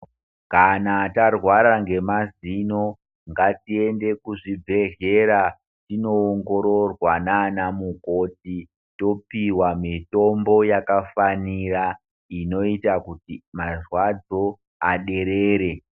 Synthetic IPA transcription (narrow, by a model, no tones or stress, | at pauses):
kanatarwaɾaŋɡe̞mazino̞ | ŋɡatie̞nde̞kuʐibʱe̞ɮe̞ɾa | tino̞ːŋɡo̞ɾo̞rwananamukoti | to̞piwamito̞mbo̞jakafanira | ino̞itakutimarwad͡zo̞ | aɗe̞ɾeːɾe̞